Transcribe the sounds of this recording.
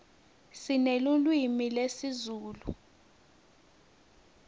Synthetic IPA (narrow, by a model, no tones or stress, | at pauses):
sinelulwimilesizuːlu